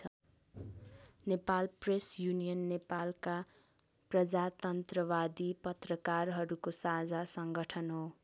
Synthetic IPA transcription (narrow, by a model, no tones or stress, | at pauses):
ʌ | nepalpresjunijʌnːepalka | prʌd͡zat̪ʌnt̪rʌbad̪ipʌt̪rʌkarɦʌɾukosad͡zasʌŋɡʌʈʰʌnɦo